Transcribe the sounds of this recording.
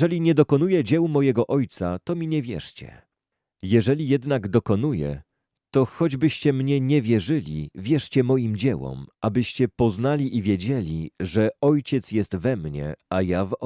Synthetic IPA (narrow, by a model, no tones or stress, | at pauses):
ɛlʲiɲɛd̪ɔkɔn̪ujɛd͡ʑɛwmɔjɛɡɔʔɔjt̪sat̪ɔmʲiɲɛvʲjɛʂt͡ɕɛ̰ | jɛʐɛlʲijɛd̪naɡd̪ɔkɔnujɛ̰ | t̪ɔxɔd͡ʑbɘɕt͡ɕɛmɲɛɲɛvʲjɛʐɘlʲḭvʲjɛʂt͡ɕɛmɔjimd͡ʑɛwɔ̰mʔabɘɕt͡ɕɛpɔznalʲiʔivʲjed͡ʑɛlʲiʐɛɔjt͡ɕɛt̪sjɛst̪vɛmɲɛ̰ajavɔ